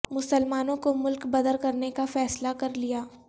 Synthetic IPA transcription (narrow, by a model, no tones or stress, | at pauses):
mʊsəlmaːnõkomʊlkbɐd̪əɾkɐɾnekafɛːslakɐɾlijaː